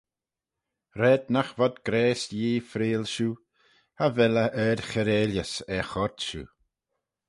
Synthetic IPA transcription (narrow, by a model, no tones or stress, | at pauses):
ɾɛːd̪̚naxvɔd̪ɡɾɛːsjiːfɾeːlʃu | havɛləʔɛɾxɛɾeːljəsɛxɔɾt̪ʃṵː